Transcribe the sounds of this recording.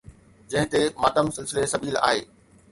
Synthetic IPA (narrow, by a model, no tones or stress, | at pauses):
d͡ʑɐ̃ɦɪ̃t̪emaːʈəmsɪlsɪlesɐbiːla̰ːɦḛː